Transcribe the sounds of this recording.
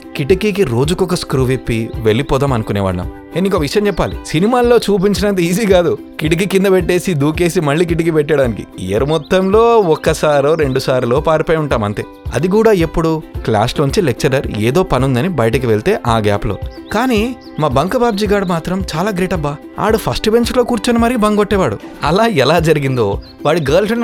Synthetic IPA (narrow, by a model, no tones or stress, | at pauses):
kiʈɐkiːkiɾo̞ːd͡ʒukɔkɐskɾuːʋepːiʋe̞ɭːipɔːd̪aːmɐnukunɛːʋa̰ːɽnɐ̰m | eːnd̪iŋkokɐʋiʂɐjɐmt͡ʃɛpːaːlisinimaːlːo̞ːt͡ʃuːp̬iɲt͡ʃinɐnt̪̬iiːziːkaːd̪u | kiʈik̬ikind̪ɐpɛʈːe̞ːsid̪uːke̞ːsimɐɭːiːkiʈ̬ik̬ipɛʈːɐɽaːnikḭḛɾɐmɔt̪ːɐmlo̞ːɔkːɐsaːɾoːɾe̞ɳɖusaːɾulo̞ːpaːɾipɐjuɳʈaːmɐnt̪e̞ːɐ̰d̪ik̬uːɽaːepːuɽukla̰ːsluɲt͡ʃilek̚t͡ʃɐɾɐɾḛːd̪o̞ːpɐnund̪ɐnibɐjɐʈɐkiʋeɭt̪e̞ːʔaːɡa̰ːplo̰ːkaːniː | maːbɐŋkɐbaːb̚d͡ʒiːɡaːɽmaːt̪ɾɐmt͡ʃaːlaːɡɾiːʈɐbːaː | a̰ːɽupʰɐsʈbeɲt͡ʃlo̞ːkuːɾt͡ʃunɐmɐɾiibɐŋɡoʈːɛːʋaːɽṵɐ̰laːɛlaːd͡ʒɐɾiɡind̪o̞ː | ʋaːɽiɡɐːlsɐn